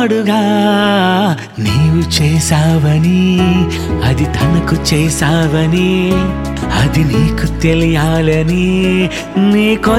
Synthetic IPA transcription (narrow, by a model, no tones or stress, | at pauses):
ɽuɡaː | neːʋut͡ʃɛːsaːʋɐni | ɐd̪it̪ʰɐnɐkut͡ʃɛːsaːʋɐni | ɐd̪iniːkut̪elijaːlɐni | miːkɔ